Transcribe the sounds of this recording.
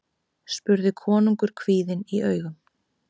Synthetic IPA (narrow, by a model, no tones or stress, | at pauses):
spʏɾðɪkʰɔːnuŋkʏɾ̥kʰviːðɪniœːɥɣʏm